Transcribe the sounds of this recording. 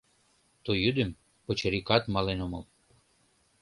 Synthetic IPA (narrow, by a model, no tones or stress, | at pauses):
t̪ojyd̪əm | pot͡ɕeɾikɑt̪mɑlenoməl